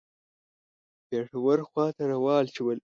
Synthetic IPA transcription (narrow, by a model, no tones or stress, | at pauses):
peːʂawaɾxwɑːt̪aɾawɑːlt͡ʃiwəl